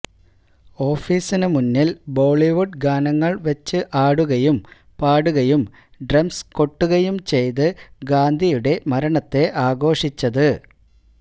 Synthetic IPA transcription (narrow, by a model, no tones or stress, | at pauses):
o̞ːfiːsinɨmunːilbo̞ːɭiʋuɖɡaːnɐŋːɐɭʋɐt͡ɕːɨʔaːɽuɣɐjum | paːɽuɣɐjum | ɖrɐmsko̞ʈːuɣɐjumt͡ɕe̞jt̪ɨɡaːnd̪ʱijuɽe̞mɐɾɐɳɐt̪ːe̞ʔaːɡo̞ːʂit͡ɕːɐðɨ